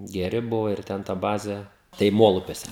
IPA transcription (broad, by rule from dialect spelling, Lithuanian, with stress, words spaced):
ɡʲɛˈrʲɪ ˈbʊʋoː ɪr ˈtʲɛn tɐ ˈbɑːzʲeː tɐɪ ˈmoːlˠʊpʲuɔsʲɛ